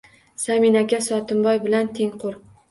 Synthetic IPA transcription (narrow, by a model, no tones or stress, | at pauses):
saminakʲasɒt̪ʰɪmbɒjbɪlant̪ʰeŋqʰʊɾ